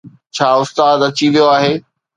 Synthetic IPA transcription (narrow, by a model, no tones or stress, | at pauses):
t͡ɕʰaːʊst̪aːd̪ɐt͡ɕiʋijoaːɦeː